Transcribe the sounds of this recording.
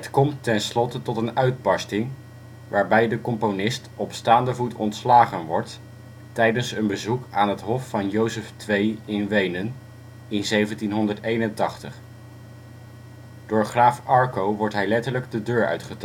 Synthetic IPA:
ɦətkɔmtɛnslɔtətɔtənœɥd̚bɑstɪŋ | ʋaːɹbɛjdəkɔmponɪstɔpstaːndəvutɔ̰ntslaːχənʋɔɹt | tɛjdənsənbəzukaːnɦətɦɔfːɑnjowsəftʋejɪnʋejnən | ɪnzejvəntinɦɔndəɹtejnəntɑχtəχ | d̥ʊːɹχraːfɑɹkowʋɔɹtɦɛjlɛtəɹləɡdədøːɹœ̰ɥtχət

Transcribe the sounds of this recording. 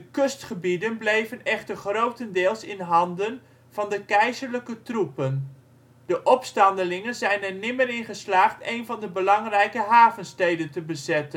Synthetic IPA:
dəkɵstχəbidənblejvənɛχtərχrowtəndɪːlˠsɪnɦɑndən | v̥ɑndəkɛjzəɹləkətrupən | d̥əʔɔpstɑndəlɪŋənzɛjnɛɹnɪməɾɪnχəslaːχtejnvɑndəbəlɑŋrɛjkəɦaːvənstejdəntəbəzɛtən

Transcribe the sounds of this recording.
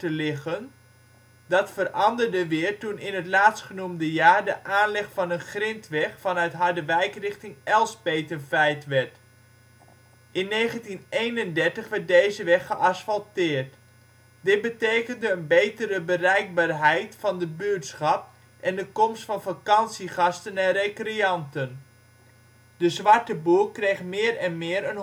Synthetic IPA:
təlɪχən | dɑtfərʔɑndəɹdəʋɪːɹtunɪnɦətlaːtstχənumdəjaːɹdəʔaːnlɪχfɑnənχrɪntʋɛχfɑnœɥtɦɑɹdəʋɛjkrɪχtɪŋɛlˠspejtənvɛjtʋɛɹt | ʔɪnːejχəntinejnəndɛɹtəχʋɛɹt̚dejzəʋɛχːəʔɑsfɑlˠtɪːɹt | dɪt̚bətejkəndəːnbejtəɾəbərɛjk̚baːɹɦɛjtfɑndəbytsχɑp̚ | ʔɛndəkɔmstfɑnfakɑnsiχɑstənɛnrekriɑntən | d̥əzʋɑɹtəbukrejχmɪːrɛnmɪːɾən

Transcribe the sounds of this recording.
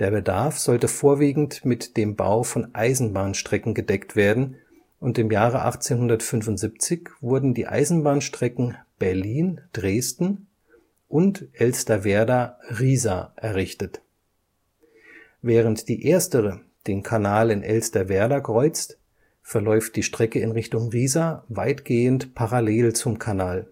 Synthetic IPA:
d̥eːɐbədaɐfz̥ɔltəfoːɐviːɡŋ̩tmɪtd̥eːmba̰ʊfɔnʔaɪzn̩baːnʃtʁ̥ɛkŋ̩ɡədɛktv̥eːɐdn̩ | ʔʊntɪmjaːʁ̞əʔa̰χt͡seːnhʊndɐtfʏnvʊntz̥ip̚t͡sɪçv̥ʊɐdn̩dḭːʔa̰ɪzn̩baːnʃtʁ̥ɛkŋ̩b̥ɛɐliːnd̥ʁeːstn̩ | ʔʊntʔɛlstɐvɛːɐdaʁiːzaʔɛɐʁɪçtət | vɛːʁ̞əntd̥iːʔeːɐstəʁə | d̥eːnkʰanaːlɪnʔɛlstɐvɛːɐdakʁ̥ɔʏt͡st | fɛɐlɔʏft̚d̥iːʃtʁ̥ɛkəɪnʁɪçtʊŋʁiːzavaɪtɡ̥eːəntpʰaʁaleːlt͡sʊmkʰanaːl

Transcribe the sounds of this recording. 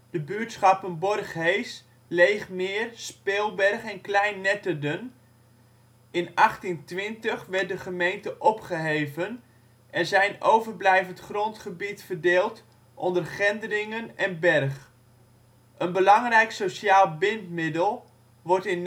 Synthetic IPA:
d̥əbyətsχɑpənbɔrχɦejs | lejχmɪːrspeːlˠbɛrχɛnklɛjnːɛtədən | ɪnɑχtintʋɪntəχʋɛɹt̚dəχəmejntəʔɔpχəɦejvən | ʔɛrzɛjnowvərblɛjvəntχrɔntχəbitfərdeːlˠt | ʔɔndərχɛndərɪŋənɛnbɛrχ | ʔənbəlɑŋrɛjksosaːlˠbɪntmɪdəlˠ | ʋɔrtɪn

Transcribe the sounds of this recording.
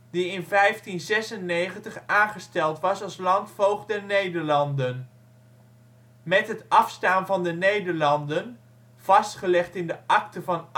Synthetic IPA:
diɪnvɛjftinzɛsənːejχəntəχaːnχəstɛlˠtʋɑsɑlˠslɑntfowχdɛɹnejdəɹlɑndən | mɛtɦətɑfstaːnvɑndənejdəɹlɑndən | v̥ɑstχəlɛχtɪndəʔɑktəvɑn

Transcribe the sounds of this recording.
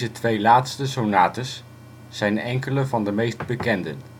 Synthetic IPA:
zətʋejlaːtstəsonaːtəsː | ɛjnɛŋkələvɑndəmejstbəkɛndə̰n

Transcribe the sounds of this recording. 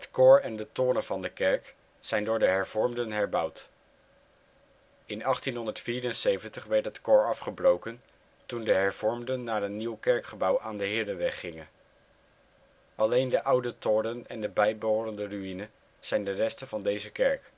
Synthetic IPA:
ɦətkoːɹɛndətʊːɾənvɑndəkɛɹk | z̥ɛjndʊːɹdəɦɛɹvɔɹmdənɦɛɹbʌwt | ɪnɑχtinɦɔndəɹtfiːɾənsejvəntəχʋɛɹtɦətkʊːɹɑfχəbrowkən | tundəɦɛɹv̥ɔɹmdənːaːɹənːiwkɛɹkχəbʌwʔaːndəɦɪːdəʋɛχːɪŋən | ʔɑlejndəʔʌwdətʊːɾənɛndəbɛjboɾəndəryinə | z̥ɛjndərɛstənvɑndejzəkɛɹk

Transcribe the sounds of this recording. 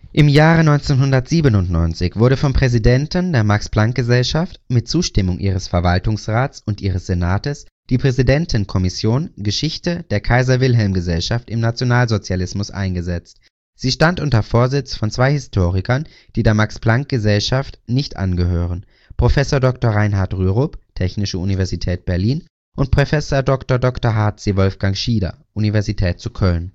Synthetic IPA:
ʔɪmjaːʁənɔʏnt͡senɦʊndɐtz̥iːbənʊntnɔ̰ʏnt͡sɪçv̥ʊɐɾəfɔmpʁ̥ɛzidɛntn̩deːɐmaksplaŋk̚ɡ̥əzɛlʃaftmɪt̚t͡suːʃtɪmʊŋʔḭːʁ̞əsfɛɐvaltʊŋsʁaːtt͡sʊntʔiːʁ̞əsz̥enaːtəsd̥iːpʁ̥ɛzidɛntʰn̩kʰɔmɪsjoːnɡəʃɪçtəd̥eːɐkʰaɪzɐvɪlɦɛlmɡəzɛlʃaftɪmnat͡sjonaːlzot͡sjalɪsmʊsʔa̰ɪnɡəzɛt͡st | z̥iːʃtantʔʊntɐfoːɐzɪt͡sfɔnt͡sv̥aɪhɪstʰoːʁɪkʰɐn | d̥iːdeːɐmaksplaŋk̚ɡ̥əzɛlʃaftnɪçtʔa̰nɡəɦøːʁən | pʁ̥ofɛsoːɐdɔktoːɐʁaɪnɦaɐtʁyːʁoptʰɛçnɪʃəunivɛɐzitʰɛːt̚b̥ɛɐliːn | ʔʊnt̚pʁ̥ofɛsoːɐdɔktoɐdɔktoɐɦaɐtz̥iːvɔlfɡ̥aŋʃiːdɐ̰ʔunivɛɐzitʰɛːt̚t͡sukʰœln

